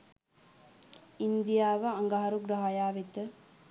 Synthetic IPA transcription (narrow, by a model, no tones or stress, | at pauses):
ind̪ijaːʋəaŋɡaɦaɾuɡɾaɦajaːʋit̪ə